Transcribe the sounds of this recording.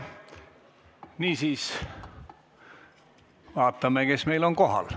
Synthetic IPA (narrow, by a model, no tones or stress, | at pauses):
niːsiːs | vɑːt̪ːˑɑmeke̞smejlo̞ŋko̞ɦɑ̰l